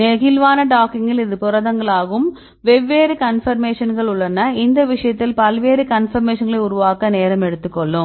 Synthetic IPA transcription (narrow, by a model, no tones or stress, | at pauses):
nɛɣɪlʋaːnɐʈaːkɪŋɡɪlɪðɯpʊɾɐðɐŋɡɐɭaːɣɯm | ʋɛʋːeːɾɯkɐnfɐɾmeːʂɐnɡɐɭʊɭːɐnɐɪnd̪ɐʋɪʂɐjɐt̪ːɪlpɐlʋeːɾɯkɐnfɐɾmeːʂɐnɡɐɭɐɪʊɾʊʋaːkɐneːɾɐmɛɽɯt̪ːɯkːɔɭːɯ̃